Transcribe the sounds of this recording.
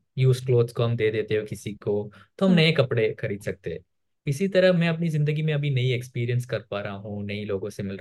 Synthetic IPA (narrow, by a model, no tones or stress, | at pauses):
juːzkloːd̪skoɦɐmd̪eːd̪eːt̪eɦokɪsiko | t̪oɦɐmnɐẽkɐpɽexɐɾiːd̪sɐk̚t̪eɛ | ɪsit̪ɐɾəɦmɛ̃ɐpnizɪ̃nd̪əɡimẽɐbʱinɐiekspiːɾijənskɐɾpaːɾaaɦũnɐiloːɡõsemɪlɾ